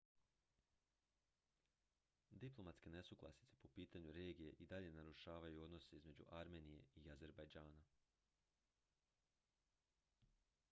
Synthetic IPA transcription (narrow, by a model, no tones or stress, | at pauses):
d̪iplˠo̞mat̪ske̞ne̞suɡlˠa̰sit̪se̥po̞piːt̪aɲuɾe̞ːɡije̞ʔid̪aʎe̞naɾuʃaːʋajuo̞d̪no̞seizme̞d͡ʑṵʔaɾme̞ːnije̞̰iaze̞ɾbajd͡ʒaːna